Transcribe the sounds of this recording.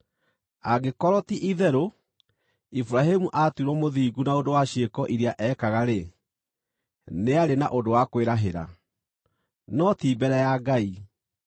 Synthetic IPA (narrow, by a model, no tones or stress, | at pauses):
aɡekɔɾɔtiʔiðɛɾo | ifuɾaɦemuʔatuɾwɔmoðiːɡunaondowaɕiekɔʔiɾiaʔɛːkaɣaɾe | neaɾenaʔodowakweɾaɦeɾa̰ | nɔtiːbɛɾɛjaɡai